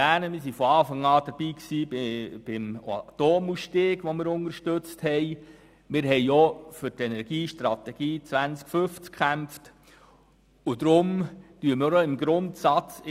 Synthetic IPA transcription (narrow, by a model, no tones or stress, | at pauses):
æːnəmɪsifɔɑːfɑŋɑːd̥̪əɾb̥iːksiːb̥ɪma̰toːmusʃteːɡ̥ʋɔmɪːɾʊnəʃtøt͡sthɛj | mɪɾɦɛjɔfʏɾtɛnɛɾɡ̥iːʃtɾɑt̪ɛɡ̥iːt͡sʋænt͡skfʏft͡skʰæmft | ʊd̪ɾʊmtyːəmɪɾoɪmɡɾʊntsɑt͡s